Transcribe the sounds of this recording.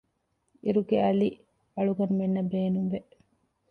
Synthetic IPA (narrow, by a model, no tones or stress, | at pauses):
iɾuɡeɐli | ɐɭuɡɐnumenːɐbeːnuŋʋe